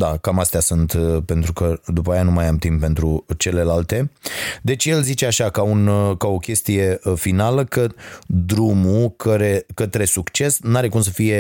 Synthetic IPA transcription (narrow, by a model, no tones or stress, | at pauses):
d̪akamast̪easunt̪pe̞nt̪ɾukəd̪upaːjeanumajamt̪impːe̞nt̪ɾut͡ʃe̞le̞lalt̪e̞d̪e̞t͡ʃʲje̞lzit͡ʃeaʃakaunkao̞kʲe̞st̪ije̞finaləkəd̪ɾumukʰəɾe̞kət̪ɾe̞sukt͡ʃe̞snaɾe̞kums̬əfije̞